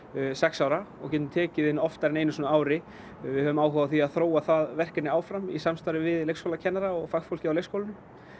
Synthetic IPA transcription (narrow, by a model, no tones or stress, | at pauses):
sɛksawɾaɔɣcɛːt̪ʏmt̪ʰɛːcɪðɪnɔft̪aɾɛneːjnʏsɔːnaaːwɾɪ | vɪðhœvʏmaːwɦɔwaθiaðθɾoːwaθaðvɛr̥kɪnɪaːwfɾamḭsamst̪ajɾɪvɪðlejxskowlacʰɛnːaɾaɔɣfaxfowl̥cɪawlejkskowlɪnʏm